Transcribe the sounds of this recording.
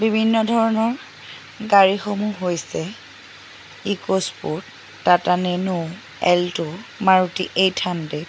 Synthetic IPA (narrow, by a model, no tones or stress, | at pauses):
bibʱinːɔdʱɔɹɔnɔɹ | ɡaɹixomuɦojsɛ | ikospuɹt | tatanenu | ɛ̰ltʊmaɹutiʔejtʰande